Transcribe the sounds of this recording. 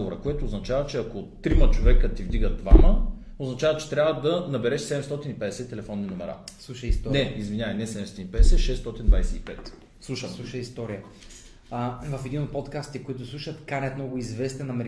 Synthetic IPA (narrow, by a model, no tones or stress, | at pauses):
voɾəkoɛt̪oːznɐt͡ʃavət͡ʃɛɐkot̪ːɾimət͡ʃovɛkət̪ivd̪iɡəd̪va̰mə | oznɐt͡ʃavət͡ʃɛ̥t̪ɾʲavəd̪ɐnɐbɛɾɛʃsɛd̪ɛmst̪ɔt̪inipɛd̪ɛsɛt̪ːɛlɛfɔnːinomɛɾa̰slˠuʃəist̪ɔnɛizvinʲjavɐjnɛsɛd̪ɛmst̪ɔt̪ʲinipɛd̪ɛsɛʃɛst̪ɔt̪ind̪vajsɛipɛt̪ | slˠuʃəslˠuʃəist̪ɔɾijə | vɐfɛd̪inot̪̚pot̪kast̪ikoit̪ʊslˠuʃət̪kanʲɐt̪mnɔɡʊizvɛst̪ɛnɐmɛɾ